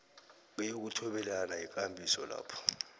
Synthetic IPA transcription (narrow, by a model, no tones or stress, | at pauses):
ɓɛjok̬utʰɔɓɛlanajik̬ʼambʱisɔla̰ːpʰɔ̥